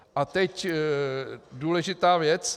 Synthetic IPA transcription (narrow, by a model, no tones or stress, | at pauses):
ʔat̪ɛc | duːlɛʒɪt̪aːvjɛt͡s